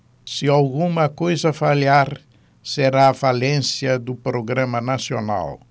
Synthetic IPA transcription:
siawɣumɐkojzɐfaʎaɾ | seɾaːfalẽnsjɐd̪upɾoɣɾãmɐnasjona̰l

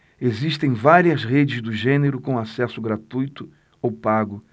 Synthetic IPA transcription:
eziʃt̪ẽj̃vaɾiɐzʁed͡ʒɪzd̪ʊʒẽneɾʊkõw̃asɛsʊɡɾat̪ujt̪ʊ | owpaɡʊ

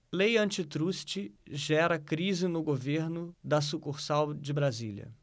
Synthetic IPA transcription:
lejɐ̃nt͡ʃɪt̪ɾust͡ʃɪʒɛɾɐkɾizɪnʊɡoveɾnʊd̪ɐs̬ukuɾsawd͡ʒɪbɾazḭljɐ̰

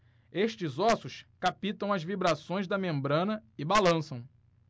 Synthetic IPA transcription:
eʃt͡ʃɪzɔsʊskapit̪ɐ̃w̃ɐzvibɾasõj̃zd̪ɐmẽmbɾɐ̃nɐɪbalɐ̃sɐ̃w̃

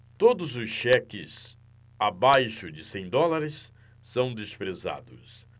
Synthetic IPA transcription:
t̪od̪ʊzʊsʃɛkɪ̰s | abajʃʊd͡ʒɪsẽj̃d̪ɔlaɾɪsː | ɐ̃w̃d̪espɾeza̰d̪ʊs

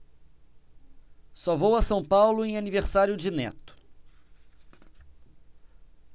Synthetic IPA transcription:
sɔvowɐsɐ̃w̃pawlʊẽj̃aniveɾsaɾjʊd͡ʒɪnɛ̰t̪ʊ̥

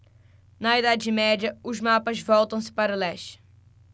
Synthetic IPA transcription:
nɐid̪ad͡ʒɪmɛd͡ʒɐʊzmapɐzvɔwt̪ɐ̃w̃sɪ̥paɾɐlɛʃt͡ʃɪ̥

